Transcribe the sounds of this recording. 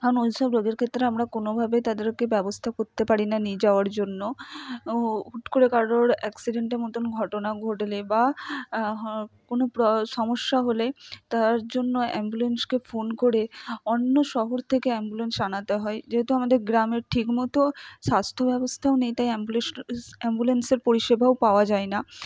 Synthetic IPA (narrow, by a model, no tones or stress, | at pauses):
aonolʃɔbɾoɡeɾkʰet̪ːɾeamɾakonobʱabet̪ad̪eɾkebɛbost̪ʰakoɾt̪epaɾinanid͡ʑaoaɾd͡ʑonːo | uʈkoɾekaoɾɛksiɖeɳʈeɾmɔt̪onɡʱɔʈonaɡʱoʈeleba | konopɾɔʃɔmoʃːaɦolet̪aɾd͡ʑonːoɛ̰mbulenskefonkoɾeonːoʃɔɦoɾt̪ʰekeɛmbulensanat̪eɦɔed͡ʑeɦet̪uamad̪eɾɡɾameɾʈʰikmɔt̪oʃast̪ʰobɛbost̪ʰaonejt̪ajmbuleɛmbulenseɾpoɾiʃebʱaopaoad͡ʑaena